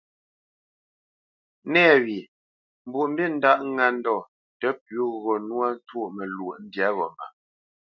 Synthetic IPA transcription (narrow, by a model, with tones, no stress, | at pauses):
nɛː˦˨wi˨ | m˦bu˨ʔm̩˦bi˦˨n̩˦da˦˨ʔa˦n˦dɔ˨ | tɛ˨˦pɥu˦ɣɔ˨nwa˦n˦two˦˨ʔmɛ˨lwo˨ʔn̩˦dja˨˦ɣɔ̰˨ma̰˨